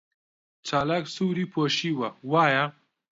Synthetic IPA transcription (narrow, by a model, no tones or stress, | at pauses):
t͡ʃaːlaːksuːwɾiːpʰoːʃiːwɐwaːjɐ